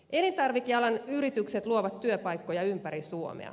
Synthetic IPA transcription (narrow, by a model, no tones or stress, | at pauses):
ʔe̞nint̪ɑrʋik̟ːiɑlɑnyɾit̪ykset̪luoʋɑt̪tːyøpɑjkːo̞jɑympæɾisuo̰mḛɑ̰